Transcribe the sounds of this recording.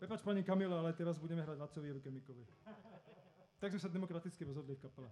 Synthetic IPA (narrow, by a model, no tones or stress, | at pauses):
pɾɛpaːt͡ʃpaɲikamilɛalɛt̪ɛɾazbuɟɛmɛɦɾaːɟlat͡sɔʋiʋɡɛmikɔʋɛ | t̪aɡzmɛsad̪ɛmɔkɾat̪it͡skiɾɔzɦɔd̪lifkapɛlɛ